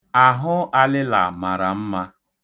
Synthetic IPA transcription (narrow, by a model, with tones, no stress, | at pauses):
a˨ɦʊ˦a˦lɪ˦la˨ma˨ɾa˨m̩˦ma˦